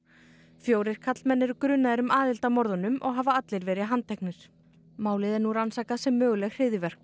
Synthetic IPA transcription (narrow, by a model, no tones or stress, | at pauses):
fjoːwɾɪɾ̥kʰat̪lmɛnːɛɾʏkɾʏnːaðɛɾʏmaːðɪlt̪amɔɾðɔnʏmɔ̰ɣɦaːvaat̪lɪɾvɛːɾɪɦant̪ʰːɛjknɪɾ̥ | maːwlɪðɛɾnuɾansaːkasɛmːœːɣʏlɛɣr̥ɪːðɪvɛɾ̥k̚